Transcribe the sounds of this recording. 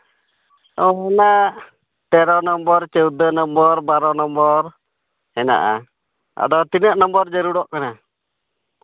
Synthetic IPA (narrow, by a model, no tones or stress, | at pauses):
ɔɦɛna | t̪ɛɾɔnɔmbɔɾt͡ʃəwd̪ənɔmbɔɾbaɾɔnɔmbɔɾ | ɛna̰ʔa̰ | a̰d̪ɔt̪inəʔnɔmbɔɾd͡ʒəɾuɽɔʔkana